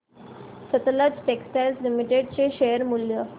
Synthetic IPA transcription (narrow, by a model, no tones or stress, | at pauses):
sət̪əlad͡zʈeksʈɛlslimiʈeɖt͡ɕeɕejəɾmuljə